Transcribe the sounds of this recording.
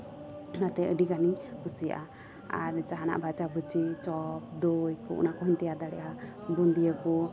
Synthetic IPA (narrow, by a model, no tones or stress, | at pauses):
nat̪ɛʔəɖikanikusija̰ʔa | a̰ɾt͡ʃaɦana̰ʔbʱat͡ʃabət͡ʃit͡ʃɔp̚d̪ojkṵʔṵnakɔɦint̪ijad̪aɽɛ̰ʔabund̪ijəkɔ